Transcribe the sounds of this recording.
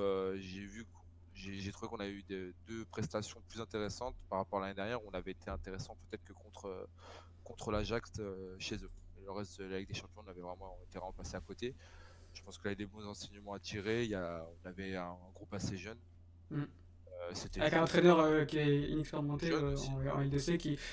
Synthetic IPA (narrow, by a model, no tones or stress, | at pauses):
øʒevykɔ | ʒeʒet̪χuvekɔ̃navɛyd̪ed̪øpχɛst̪asjɔ̃plyzɛ̃t̪eʁesɑ̃t̪paʁapɔʁalaned̪ɛʁnjɛʁɔ̃navɛet̪eɛ̃t̪eʁesɑ̃pøt̪ɛt̪χəkəkɔ̃t̪χø | kɔ̃t̪χəlaʒakt̪øʃezømɛləʁɛst̪əlalɛk̚d̪eʃɑ̃pjɔ̃ɔ̃navɛvʁɛmɑ̃et̪evʁɛmɑ̃paseakot̪e | ʒ̥ə̥pɑ̃skilavɛd̪ebɔ̃zɑ̃sɛɲəmɑ̃at̪iʁeijaɔ̃navɛɛ̃ːɡʁupaseʒœn | m | øset̪ɛaɛknɑ̃t̪χenœʁøkʲiɛḭnɛkspeʁimɑ̃t̪eɑ̃ɑ̰̃ɛld̪esekʲi